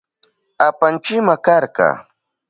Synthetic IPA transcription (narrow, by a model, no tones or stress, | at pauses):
apant͡ʃɪmakɑɾkɑ̰ː